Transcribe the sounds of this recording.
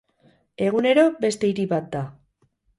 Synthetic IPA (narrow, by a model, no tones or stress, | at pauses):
e̞ɣ̞une̞ɾo̞be̞st̪e̞iɾiβat̪̚d̪a